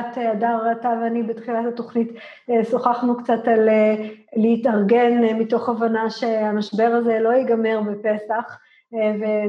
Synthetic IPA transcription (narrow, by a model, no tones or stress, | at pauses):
tadaʁatavanibetχilathato̞χnit | esoχaχnukt͡sataleleitaʁɡe̞nmito̞χavanaʃe̞amaʃbe̞ʁazelo̞iɡame̞ʁbepe̞saχ | ve